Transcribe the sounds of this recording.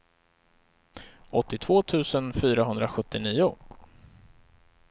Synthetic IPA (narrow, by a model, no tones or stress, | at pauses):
ɔt̪ːɪt̪ʰv̥oːt̪ʰʉ̟ːsənfyːɾaɦɵnd̪ɾaɧɵt̪ːɪniːʊ